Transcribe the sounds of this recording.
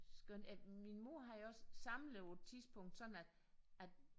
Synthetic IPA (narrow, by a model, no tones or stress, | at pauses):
sɡ̥ønæminmo̝ɐ̰ɦɑ̈joɒ̽ssɑ̈mləʊ̥t͡sʰiðˠsb̥ʰɔ̽ŋ̰d̥sɒ̽n̥n̩æd̥ | æd̥